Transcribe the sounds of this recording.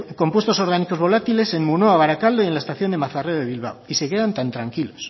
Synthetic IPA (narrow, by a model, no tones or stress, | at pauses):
ko̞mpwe̞st̪o̞soɾɣaniko̞zβo̞lat̪ile̞se̞nmunoaβaɾakald̪oielaest̪aθjo̞nd̪e̞maθareoðe̞βilβ̞a̰wise̞ke̞ðant̪ant̪ɾaŋkilos